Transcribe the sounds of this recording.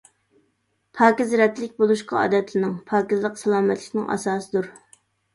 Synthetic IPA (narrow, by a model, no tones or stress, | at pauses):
pʰɑːkʲɪzɾɛt̪lɪkʲbolˠuʃqɑɑ̰ːd̪ɛt̪ʰlɪnɪŋpʰɑːkʲɪzlˠəqsɑlˠɑːmɛt̪ʰlɪkʲnɪŋʔɑ̰sɑːsɨd̪uɾ